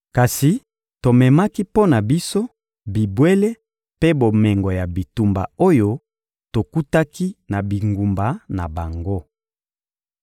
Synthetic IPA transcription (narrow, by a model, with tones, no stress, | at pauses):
ka˨si˨ | to˨mɛ˨ma˦ki˦po˦na˨bi˦so˦ | bi˨bwe˦le˦ | pe˦bo˨mɛ˨ŋɡo˨ja˨bi˨tu˨mba̰˨o˦jo˦ | to˨ku˦ta˦ki˦na˨bi˨ŋɡu˨mba˨˦na˨ba˨ŋɡo˦